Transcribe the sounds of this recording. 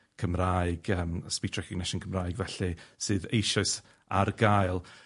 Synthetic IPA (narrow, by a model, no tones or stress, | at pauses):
kʰəmraɨɡ̥əːmspitʰrɛkʰɔɡnɪʃənkʰəmraɨɡvɛɬɨsɨːðejʃɔɨs | arɡaɨlˠ